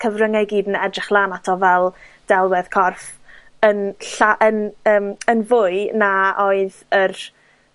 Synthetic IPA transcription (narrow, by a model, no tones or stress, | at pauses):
kʰəvrəŋaɡiːdnɛdrɪχlˠaːnatʰɔvɛlˠd̥ɛlˠwɛð̥kʰɔrf | ənɬaʔənəːmənvʊɨnaoɨðər